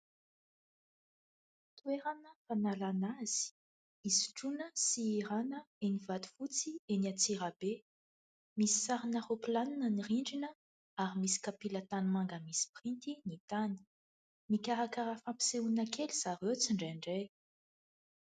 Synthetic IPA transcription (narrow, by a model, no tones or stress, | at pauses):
t̪ueɾanəfanalanaz̥i̥ | isi̥ʈ͡ʂunəsiiɾanəenivat̪u̥fut͡sieniat͡siɾabe | misi̥saɾinaropilaninəniriɳɖ͡ʐinə | aɾimisi̥kapilat̪anmaŋɡəmisi̥print̪init̪anə̥ | mikʲaɾakaɾafampi̥seuinəkʰeliz̥aɾet͡siɳɖ͡ʐeɳɖ͡ʐej